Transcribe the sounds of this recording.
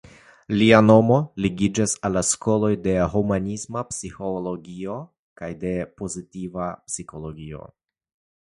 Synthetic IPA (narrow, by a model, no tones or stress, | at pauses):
liano̞mo̞liɡid͡ʒasalːasko̞lo̞jde̞ɦomanismapsiholo̞ɡio̞ | kajde̞po̞zitivapsiko̞lo̞ɡio̰